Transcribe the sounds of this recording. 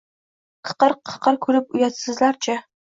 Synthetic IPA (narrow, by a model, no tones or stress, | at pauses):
qʰə̥qərqʰə̥qərkʷʰuɾɨp̚ujɑt̪sɨzlart͡ʃʰʼɐ